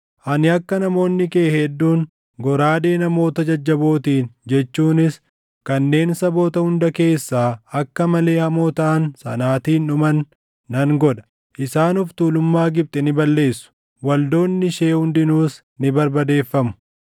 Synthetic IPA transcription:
ʔɐnɪɐkːɐnɐmo̞ːnːɪkeːhɛd̪ːuːn | ɡɔɾaːd̪e̞ːnɐmo̞ːt̪ɐd͡ʒɐd͡ʒːɐbo̞ːt̪iːnd͡ʒɛt͡ʃːuːnɪs | kɐnːe̞ːnsɐbo̞ːt̪ɐhʊnd̪ɐke̞ːsːaːɐkːɐmɐle̞ːhɐmoːt̪ɐʔɐnsɐ̰naːt̪iːnᶑʊmɐnː | ɐŋɡɔᶑɐ̥ | ʔɪsaːnʊft̪uːlʊmːaːɡɪb̚t̪ʼɛnɪbɐlːe̞ːsːʊ̥ | wɐld̪o̞ːnːɪʃe̞ːhʊnd̪ɪnuːs | nɪbɐɾbɐd̪e̞ːfːɐmʊ̥

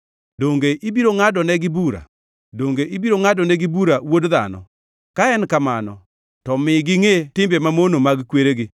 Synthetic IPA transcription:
doŋɡeʔibiɾoŋadɔnɛɡɪbuɾa̰ | doŋɡeʔibiɾoŋadɔnɛɡɪbuɾawodða̰nɔ̰ | kaɛnkamanɔ̰ | tɔmɪɡɪŋetɪmbemamonomaɡkweɾeɡɪ

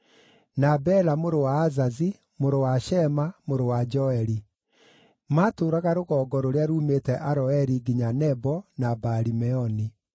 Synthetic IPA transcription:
nabɛlamoɾowaːzazi | moɾowaʃɛmamoɾowad͡ʒɔɛɾi | maːtoːɾaɣaɾoɣɔːɡɔɾoɾeaɾuːmetɛʔaɾɔɛɾiɡiɲanɛbɔnabaɾimɛɔni

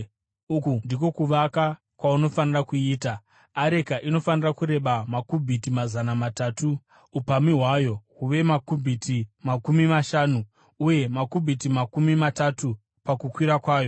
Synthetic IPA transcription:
ukundiko̞kuʋaka | kwauno̞fanirakuiːtaː | ɾe̞kaʔino̞fanirakuɾe̞ɓamakubʱitimazanamataːtu | upamiɦwajo̞ɦuʋe̞makubʱitimakumimaʃaːnu | uje̞makubʱitimakumimatatu | pakukwiɾakwaːjo̞

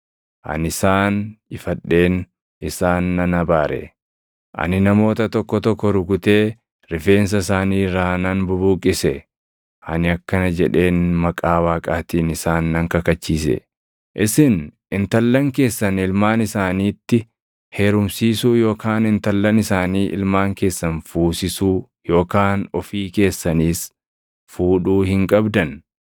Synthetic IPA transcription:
ʔɐ̰nɪsaːnɪfɐᶑːe̞ːn | ʔɪsaːnːɐnɐbaːɾɛ̰ | ʔɐ̰nɪnɐmo̞ːt̪ɐt̪ɔkːɔt̪ɔkːɔɾʊɡʊt̪e̞ː | ɾɪfe̞ːns̬ɐsaːniːɾaːnɐnbʊbuːkʼːɪsɛ | ʔɐ̰nɪɐkːɐnɐd͡ʒɛᶑe̞ːnmɐkʼaːwaːkʼaːt̪iːnɪsaːnːɐŋkɐkɐt͡ʃːiːsɛ̰ | ʔɪsɪn | ɪnt̪ɐlːɐŋke̞ːsːɐnɪlmaːnɪsaːniːt̪ːɪ | heːɾʊmsiːsuːjo̞ːkʰaːnɪnt̪ɐlːɐnɪsaːniːʔɪ̰lmaːŋke̞ːsːɐnfuːsɪsuː | jo̞ːkaːnɔfiːke̞ːsːɐniːs | fuːᶑuːhɪŋkʼɐbd̪ɐn

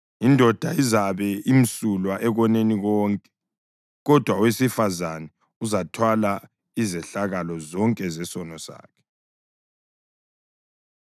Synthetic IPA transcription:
indʱɔd̥ʱaizaβɛim̩sulwaʔɛɣɔneniɣɔːŋkʼɛ̥ | ɣɔd̥ʱwawesifazanɛ | uzatʰwala | izɛɬaɣalɔzɔŋkʼɛzɛsɔnɔsa̰ːkʰɛ̥

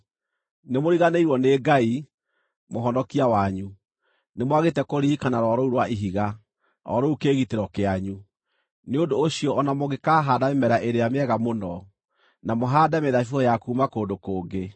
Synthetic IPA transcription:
nemoɾiɣaneiɾwɔneːɡai | moɦɔnɔkiawaɲu | nemwaɣetɛkoɾiːkanaɾɔɾɔuɾwaʔiɦiɣa | ɾɔ̰ɾɔukeːɣiteɾɔkeaɲu | neondoːɕiɔʔːnamoɣekaːɦaːdamemɛɾaʔeɾeameɛɣamonɔ | namoɦaːdameðafoɔjakuːmakoːdokoːŋɡe

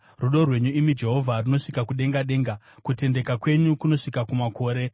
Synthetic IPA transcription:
ruɗo̞rwe̞ɲuimid͡ʒe̞ɦo̞vʱaruno̞ʂikakuɗe̞ŋɡaɗe̞ːŋɡa | kute̞nde̞kakwe̞ɲukuno̞ʂikakumako̞ːɾe̞

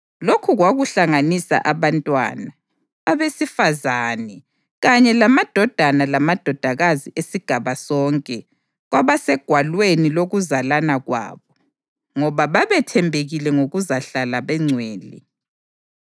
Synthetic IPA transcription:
lokʰuɣwaɣuɬaŋanisa̰ʔaβantʼwa̰ːnaː | βesifazanɛ | ɣaɲɛlamad̥ʱɔd̥ʱanalamad̥ʱɔd̥ʱaɣaziʔesiɡ̥ʱaβasɔŋkʼɛ | ɣwaβasɛɡ̥ʱwalweniloɣuzalanaɣwa̰ːβɔ | ŋɔβaβaβɛtʰɛmbʱeɣilɛŋoɣuzaɬalaβɛŋ͡ǀʱweːlḭ

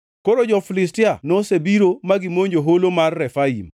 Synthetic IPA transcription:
koɾod͡ʒɔfilɪs̬tɪanosebiɾomaɡimoɲd͡ʒoɦolomarːɛfaḭm

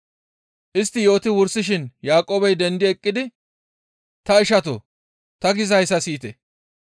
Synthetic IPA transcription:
ʔɪst̪ːɪjo̞ːt̪ɪwʊɾsɪʃɪnjaːkʼoːbɐjd̪ɛnd̪ɪɛkʼːɪd̪ɪ | t̪ɐɪʃɐt̪o̰ | t̪ɐɡɪzɐɪsɐsiːt̪ɛ

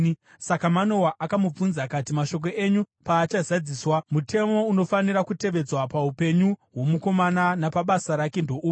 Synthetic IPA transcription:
sakamano̞waʔakamub͡vunzakatimaʃo̞k̬o̞ʔeɲu | paːt͡ʃazad͡ziswamutʰe̞mo̞uno̞faniɾakute̞ʋe̞d͡zwapaupe̞ɲuwo̞muko̞mananapaɓasaɾake̞ndo̞ʔuː

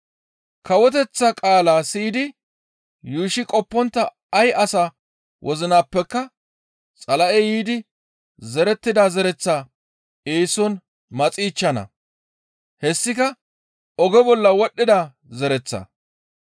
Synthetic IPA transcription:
kɐwɔt̪̬ɛt͡sːɐkʼaːlaːsiːd̪ɪ | juːʃɪkʼɔpːɔnt̪ːɐ | ɐjʔɐsa | wʔɔzɪnaːpːɛkːɐ | t͡sʼɐlɐʔɛjiːd̪ɪ | zɛɾɛt̪ːɪd̪aːzɛɾɛt͡sːaː | eːsɔn | mɐt͡sʼiːt͡ʃːɐnɐ̰ | hɛsːɪkɐ | ɔɡɛbɔlːɐwɔɗːɪd̪aː | zɛɾɛt͡sːɐ̰

